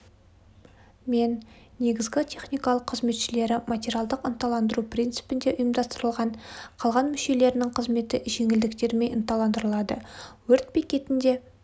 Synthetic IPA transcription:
me̞nː | e̞ɡʲɪzɡʲɪt̪ʲʰe̞χnijkɑlˠəqʰːəzme̞t̪ʃɪle̞ɾɪmat̪ʲeɾijalˠd̪əqənt̪ɑlˠɑnd̪əɾupʰrʲint̪sɨ̥pɪnd̪e̞ʔʊjəmd̪ɑst̪əɾəlˠʁɑɴqʰɑlˠʁɑnmʏʃe̞le̞ɾɪnɪŋqʰəzme̞t̪ɪʒe̞ŋɪld̪ɪkt̪e̞ɾme̞jʔənt̪ɑlˠɑnd̪əɾəlˠɑd̪ə̰wɵɾt̪̚bikʲe̞t̪ɪnd̪e̞

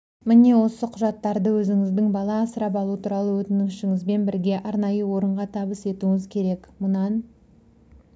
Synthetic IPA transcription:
mɪne̞wo̞səqʰʊʒɑt̪ːɑɾd̪əwɵzɪŋɪzd̪ɪŋbɑlˠɑːsəɾɑpɑlˠuət̪ʰuɾɑlˠəwɵt̪ɪnɪŋʃɪŋɪzbe̞nbɪɾɡʲe̞ʔɑɾnɑjəwo̞ɾəɴʁɑt̪ʰɑβəse̞t̪uŋɪzkʲʰe̞ɾe̞kmʊnɑn

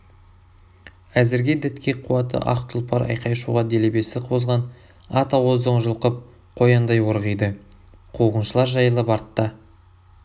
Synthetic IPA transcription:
æzɪɾɡʲed̪ɪt̪kʲeqʰuɑt̪ə̰ʔɑ̰qt̪ʰʊlˠpɑɾʔɑ̰jqʰɑjʃuʁɑd̪e̞lebe̞sɪqʰo̞zʁɑn | ɑt̪ɑwozoɴʒəlˠqəp̚ | qʰo̞jɑnd̪ɑjwoɾʁijd̪ə | qʰuʁənʃəlˠɑɾʒɑjəlˠəpɑɾt̪ːɑ

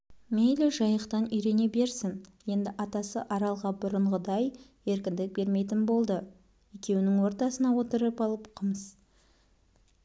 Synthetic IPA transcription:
mejlɪʒɑjəqt̪ɑnʏjɾe̞ne̞be̞ɾsɪŋje̞nd̪ɪʔɑt̪ɑsə̰ʔɑɾɑlˠʁɑbʊɾəɴʁəd̪ɑj | e̞ɾkʲɪnd̪ɪk̚be̞ɾme̞t̪ɪnbo̞lˠd̪ə | je̞kʲe̞wɪnɪŋwo̞ɾt̪ɑsənɑwo̞t̪əɾəpɑlˠəpqʰəməs

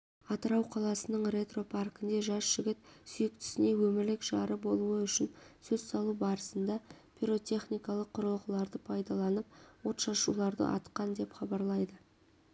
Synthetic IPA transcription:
ɑt̪əɾɑwqʰɑlˠɑsənəɴre̞t̪ro̞pʰarkɪnd̪e̞ʒɑsʒ̥ɪɡʲɪt̪̚sʏjɪk̚t̪ɪ̥sɪne̞wɵmɪɾlɪkʒɑɾəbo̞lˠuəʏʃɪnsɵzsɑlˠubɑɾəsənd̪ɑ | pʰʲiɾo̞t̪ʲe̞χnijkɑlˠəqʰːʊɾəlˠʁəlˠɑɾd̪əpʰɑjd̪ɑlˠɑnəp̚wo̞t̪ʃɑʃṵlˠɑɾd̪ə̰ʔɑ̰t̪qɑnd̪e̞pχɑbɑɾlˠɑjd̪ə

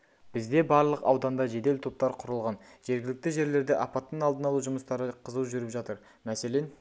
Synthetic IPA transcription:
b̥ɪzd̪e̞bɑɾlˠəqɑ̰wd̪ɑnd̪ɑʒe̞d̪e̞lt̪ʰop̚t̪ɑɾqʰʊɾəlˠʁɑnʒ̥e̞ɾɡʲɪlɪk̚t̪ɪʒe̞ɾle̞ɾd̪ɪʔɑpɑt̪ːənɑlˠd̪ənɑlˠuʒʊməst̪ɑɾəqʰəzəwʒʏɾɪpʒɑt̪əɾ | mæse̞le̞n

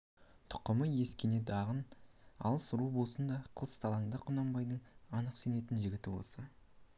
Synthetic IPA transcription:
t̪ʰʊ̥qːəməje̞skʲene̞d̪ɑʁənɑ̰lˠəsrubosənd̪ɑqʰəlˠəst̪ʰɑlˠɑŋd̪əqʰʊnɑmbɑjd̪əɴɑnəqse̞ne̞t̪ɪnʒɪɡʲɪt̪ɪwo̰sə

